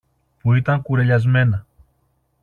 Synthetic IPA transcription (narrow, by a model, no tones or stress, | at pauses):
puit̪ɐŋkuɾe̞ʎɐzme̞nɐ